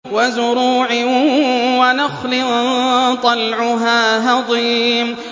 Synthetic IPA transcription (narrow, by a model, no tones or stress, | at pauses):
wazʊɾuːʕɪ | wanɑxlɪ | t̪ˤɑlʕʊɦaːɦɑðˤiːm